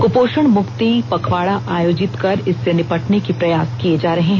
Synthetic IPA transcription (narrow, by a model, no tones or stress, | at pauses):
kʊpoːʃəɳ̃mʊkt̪ipɐkʰʋaːɽaʔaːjoːd͡ʒɪt̪kɐɾɪsːenɪpɐʈnekipɾɐjaːskied͡ʒaːɾɐɦeɦɛ̃